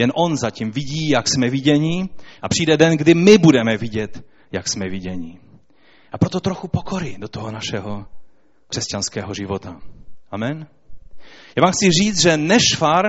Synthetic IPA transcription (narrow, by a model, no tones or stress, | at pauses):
jɛnʔo̞nzaciːmvɪɟiːjaksmɛvɪɟɛɲiʔapr̝̥iːdɛdɛnɡdɪmɪbudɛmɛvɪɟɛt̪ | jaksmɛvɪɟɛɲi | ʔapɾot̪ot̪ɾoxupokoɾidot̪oɦonaʃɛɦo | kr̥ɛscanskɛːɦoʒɪvot̪aʔamɛn | jaːvaːmxt͡sɪriːt͡s̪ʒɛnɛʃfaɾ